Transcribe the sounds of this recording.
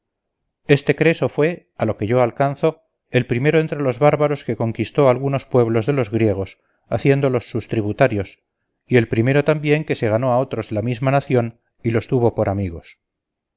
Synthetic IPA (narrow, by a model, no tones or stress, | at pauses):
e̞st̪e̞kɾe̞so̞fwe̞ | alo̞ke̞ʝo̞alkanθo̞ | elpɾime̞ɾoent̪ɾe̞lo̞zβaɾβaɾo̞ske̞ko̞ŋkist̪o̞alɣuno̞spwe̞βlo̞zðe̞lo̞zɣɾje̞ɣ̞o̞s | aθje̞nd̪o̞lo̞sːust̪ɾiβut̪aɾjo̞s | ie̞lpɾime̞ɾo̞t̪ambje̞ŋke̞se̞ɣ̞anoao̞t̪ɾo̞zðelamizmanaθjo̞n | ilo̞st̪uβo̞po̞ɾamiɣ̞o̞s